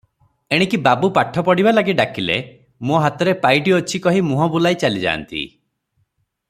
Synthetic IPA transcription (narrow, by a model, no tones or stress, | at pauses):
eɽ̃ikibabupaʈʰːɔpɔɽibalaɡiɖakilḛ | moɦat̪ɔɾepajʈiɔt͡ʃʰikɔɦimuɦɔbulajt͡ʃalid͡ʒa̰ːnt̪ḭ